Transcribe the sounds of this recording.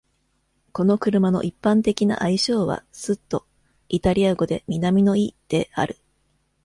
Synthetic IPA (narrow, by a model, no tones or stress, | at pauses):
ko̞no̞kɯ̟ɾɯ̟mano̞̰ʔipːãnt̪e̞kʲina̰ʔaiɕo̞ːβa̰sɨt̪ːo̞ | it̪aɾʲiaɡo̞d̪e̞mʲinamʲino̞id̪̥e̞a̰ɾɯ̟